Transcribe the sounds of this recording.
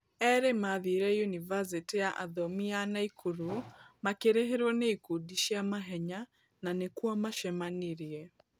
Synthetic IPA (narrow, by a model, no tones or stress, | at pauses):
ɛɾemaðiɾɛjunivas̬itijaʔaðɔmianaikʰuɾumakeɾeɦeɾwɔneikudiʃiamaɦɛɲa | nanekuamaʃɛmaniɾiɛ